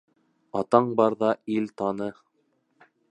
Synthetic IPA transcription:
ɑt̪ɑɴbɑɾðɑilt̪ɑnɤ

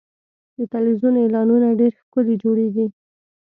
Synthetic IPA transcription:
d̪ət̪alwizunelɑnunaɖeɾxkəled͡ʒoɽeɡi

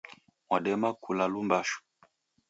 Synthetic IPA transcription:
mwaɗɛmakulalumbaʃu̥

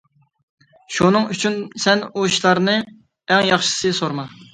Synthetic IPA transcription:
ʃunɨŋyt͡ʃʰynsɛnuiʃlˠɑɾnɨ | ɛŋjɑχʃɨ̥sɨsoɾmɑ

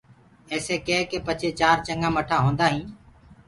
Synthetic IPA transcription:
eːseːkẽːkeːpət͡ʃʰeːt͡ʃaːɾt͡ʃəŋɡãːməʈʰaːɦõːnd̪aːɦĩː

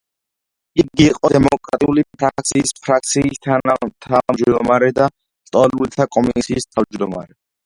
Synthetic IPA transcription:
ik̚ɡiːqʼɔd̪ɛmɔkʼɾat̪ʼiulipʰɾakt̪sʰiːspʰɾak̚t̪sʰiːst̪ʰat̪ʰamd͡ʒd̪ɔmaɾɛd̪a | st̪ʼɔlult̪ʰakʼɔmisiːst̪ʰavd͡ʒd̪ɔma̰ɾɛ

